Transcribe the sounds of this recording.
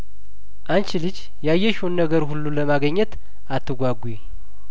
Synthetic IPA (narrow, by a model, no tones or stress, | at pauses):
ʔant͡ʃilɨd͡ʒ | jajːɛʃunːəɡəɾhulːuləmaɡəɲːɛt̪ | at̪ʰːɨɡʷaɡʷi